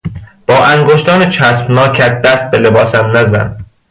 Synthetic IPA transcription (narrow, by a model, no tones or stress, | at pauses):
b̥ɒːʔæŋɡoʃt̪ɒːnet͡ʃʰæspnɒːkʰæd̪̚d̪æst̪̚bele̞bɒːsæmnæzæ̰n